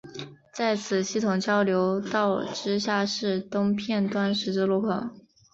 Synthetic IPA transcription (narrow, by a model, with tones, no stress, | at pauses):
t͡sa˥˩ɪt͡sʰɹ̩˨˩ɕi˥˩t̪ʰʊ˨˩ŋt͡ɕjɑ˥ʊljo˧˥ʊt̪ɑ˥˩ʊʈ͡ʂɻ̩˥ɕja˥˧ʂɻ̩˥˩t̪ʊ˥ŋpʰjɛ˥˩nt̪wa˥nʂɻ̩˧˥ʈ͡ʂ̩˥˧lu˥˩kʰɤ˥˩